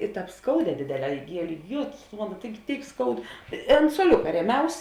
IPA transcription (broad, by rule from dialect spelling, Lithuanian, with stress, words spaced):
ɪ ˈtɑːp ˈskɐʊˌdʲɛː ˈdʲeːdʲeːˌlʲɛː ɪˈɡʲiɛlʲeː ˈjeːtʊs tʊ ˈmɑːnoː ˈtɐɪɡʲɪ ˈtʲeːɪk ˈskɐʊt ɪ ɐnt suɔˈlʲʊkɐ ˈrʲiɛˌmʲɛʊs